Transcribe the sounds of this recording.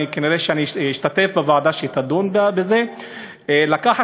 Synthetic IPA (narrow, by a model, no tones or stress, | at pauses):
ikeniʁeʃeaniiʃt̪at̪efbevaʕad̪aʃeit̪ad̪onbbeze̞ | lakaħa